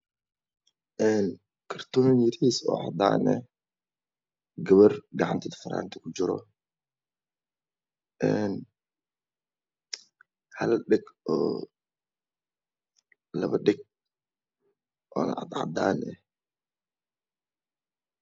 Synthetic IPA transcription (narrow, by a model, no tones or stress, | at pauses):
ʔɛn | kʰɐrt̪ʰɔːnnjɪɾiːsɔ̰ːʕɑ̰d̪aːnɛ̰ | ɡɐβɐrɡɑʕɑnt̪ʰɛd̪fɐɾa̰ːnt̪ʰɪ̥kʰʊd͡ʒɪɾɔ̰ | ʔɛn | hɐlɗɛɡɔː | lɐ̰βɐɗɛɡ̚ | ʔɔːnʔɑ̰d̪ʕɑ̰d̪aːnɛ